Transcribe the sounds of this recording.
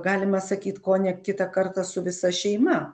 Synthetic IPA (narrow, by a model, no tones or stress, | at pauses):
ɡɑːlʲɪmɐsɐkʲiːt̪koːnʲɛkʲɪt̪ɐkɐrt̪ɐsʊʋʲɪsɐʃʲɛɪmɐ